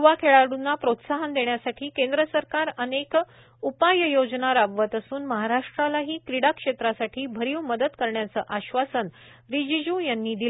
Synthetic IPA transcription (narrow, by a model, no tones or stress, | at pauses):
ʋakʰeɭaɽunːapɾot̪saɦənd̪eɳjasaʈʰiːkend̪ɾəsəɾkaɾənek | upajəjod͡ʑnaɾabʋət̪əsuːnməɦaɾaʂʈɾalaɦiːkɾiɽakʂet̪ɾasaʈʰiːbʱəɾiwməd̪əd̪kəɾɳjat͡səːʔaɕʋasən | ɾid͡ʑid͡ʑũjanːiːd̪i